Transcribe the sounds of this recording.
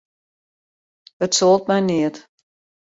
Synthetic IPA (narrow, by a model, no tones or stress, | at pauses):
ətsolˠt̚mɛjniət